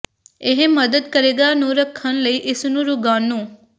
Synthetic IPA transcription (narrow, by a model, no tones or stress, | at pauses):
eɦeməd̪əd̪kəɾeɡanũɾəkʰːənləiːʔɪsnũɾʊɡaːnũː